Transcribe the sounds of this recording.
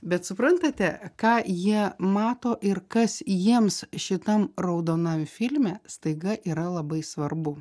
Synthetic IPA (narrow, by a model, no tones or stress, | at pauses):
bʲɛt̪sʊpɾɐnt̪ɐt̪ʲɛkɑːjiɛmɑːt̪oːʔɪɾkɐsjiɛmsʃʲɪt̪ɐmrɐʊd̪oːnɐmʲfʲɪlʲmʲɛːst̪ɐɪɡɐʔiːɾɐlˠɐbɐɪsʋɐrbʊ